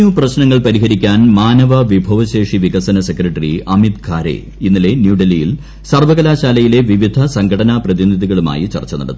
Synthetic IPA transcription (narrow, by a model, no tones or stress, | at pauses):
uprɐɕnɐŋːɐɭpɐɾiɦɐɾikʲːaːnmaːnɐʋɐʋibʱɐʋɐɕe̞ːʂiʋiɣɐsɐnɐsekrɐʈːriʔɐmit̪kʰaːɾḛ | inːile̞njuːɖɐlijil | sɐrʋɐɣɐlaːɕaːlɐjile̞ʋiʋid̪ʱɐsɐŋɡʰʱɐɽɐnaprɐðiniðiɣɐɭuma̰ːjit͡ɕɐ̰rt͡ɕːɐnɐ̰ɽɐt̪ːu